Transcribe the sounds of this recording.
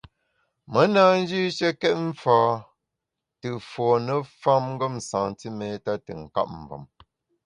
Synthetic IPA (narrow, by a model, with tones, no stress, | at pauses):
mə˨˦naː˦n̩˦d͡ʒi˦ʃə˦kɛ˦t̚m̩˦faː˦ | tə˨fɔ˨nə˦fa˦mŋ̩˦ɡə˦˨msã̰˨ŋti˦me˨ta˦tə̰˨ŋ̩˨ka̰˦˨p̚m˨və̰˨m